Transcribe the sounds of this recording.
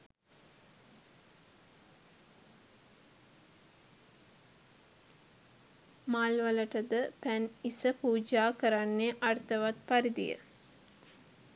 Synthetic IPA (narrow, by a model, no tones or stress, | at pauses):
maːlʋələʈəd̪əpænisəpuːd͡ʒaːkəɾanːeʔart̪əʋat̪paɾid̪ḭjə̰